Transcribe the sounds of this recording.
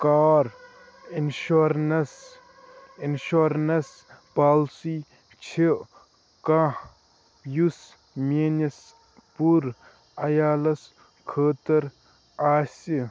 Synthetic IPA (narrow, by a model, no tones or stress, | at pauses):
kaːɾ | inʃoɾnɐs | inʃoɾnɐs | paːlsi | t͡ʃʰiʔ | kãh | jus | mʲenɐs | puɾ | ɐjaːlɐs | kʰəːt̪ɐɾ | aːsi